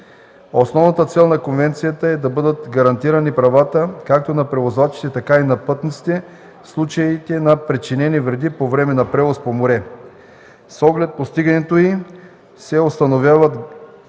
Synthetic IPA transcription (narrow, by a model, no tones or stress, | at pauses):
osnɔvnɐt̪ət̪sɛlˠnɐkonvɛnt̪sijət̪əɛd̪ɐbɤd̪ət̪ɡɐɾɐnt̪iɾɐnipɾɐvat̪əkak̚t̪onɐpɾɛvozvat͡ʃi̥t̪ɛt̪ɐkainɐpɤt̪nit̪si̥t̪ɛ | slˠut͡ʃɐit̪ɛnɐpɾɛt͡ʃinɛnivɾɛd̪ipovɾɛmɛnɐpɾɛvospomoɾɛ | sɔɡlɛt̪̚post̪iɡɐnɛt̪oi | sɛost̪ɐnovʲjavɐt̪